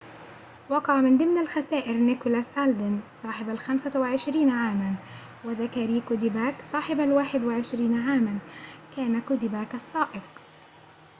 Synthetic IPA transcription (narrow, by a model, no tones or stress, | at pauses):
wɑqɑʕmɪnd̪ˤɪmnalxasaːʔɪɾnɪkʊlasʔald̪ɪnsˤɑːħɪbalxamsawɪʕɪʃɾiːnʕaːman | wɪðakaːɾiːkʊd̪ɪbaːksˤɑːħɪbalwaːħɪd̪waʕɪʃɾiːnʕaːmankaːnakʊd̪ɪbaːkɑsˤːɑːʔɪq